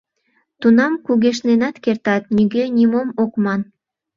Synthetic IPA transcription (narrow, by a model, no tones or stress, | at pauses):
t̪unɑmkuɣeʃ̬nenɑt̪kert̪ɑt̪̚nyɣenʲimomokmɑn